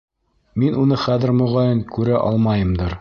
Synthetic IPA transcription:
minʔunɤχæðɘ̆ɾmŏʁɑjɤnkʉɾæʔɒ̰lˠmɑjɤ̆md̪ɤɾ

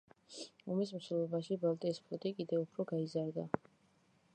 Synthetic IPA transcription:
ɔmis̬msɛlɔbaʃibalˠt̪ʼiːspʰlˠɔt̪ʼikʼid̪ɛupʰɾɔɡaizaɾd̪a

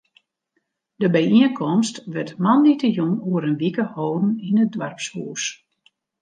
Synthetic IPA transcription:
dəbɛjiənkʰɔmstʋɛtmanitəjoŋuəɾənʋikəhoːdn̩inət̚dʋarpshuːs

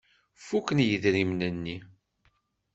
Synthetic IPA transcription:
fukːənjəðɾimnənːi

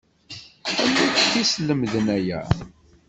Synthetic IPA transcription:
æmːikθisləmðənæjæ̰

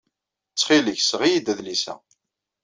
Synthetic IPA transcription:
t͡sːχiləçsʁijid̪æðlisæ̰

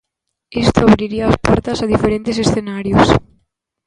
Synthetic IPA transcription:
ist̪oaβɾiɾiaaspɔɾt̪asaðifeɾẽnt̪esesθenaɾjos

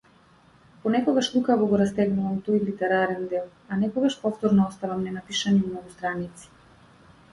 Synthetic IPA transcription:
pɔnɛkɔɡaʃlukavɔɡɔɾast̪ɛɡnuvamt̪ɔjlit̪ɛɾaɾɛnd̪ɛlˠ | anɛkɔɡaʃpɔft̪ɔɾnɔɔst̪avamnɛnapiʃanimnɔɡust̪ɾanit̪si̥

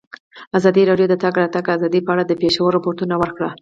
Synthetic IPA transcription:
azɑd̪iɾɑɖjod̪ət̪ɑɡɾɑt̪aɡazɑd̪ipəaɽad̪əpeʃawəɾapoɾʈunawəɾkɽa

